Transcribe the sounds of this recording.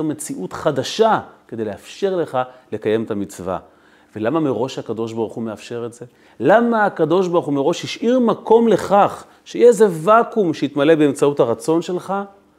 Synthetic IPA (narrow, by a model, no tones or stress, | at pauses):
me̞t͡siʔutχad̪aʃaked̪e̞jleafʃe̞ʁle̞χale̞kaje̞met̪amit͡sva̰ | velamameʁo̞ʃhakad̪o̞ʃ̬baʁuχumeafʃe̞ʁetze̞ | lamaːkad̪o̞ʃbaʁχumeʁo̞ʃhiʃʔiʁmakʰo̞mle̞χaχ | ʃejeeze̞vakumʃeit̪male̞beemt͡sauthaʁat͡so̞nʃe̞lχa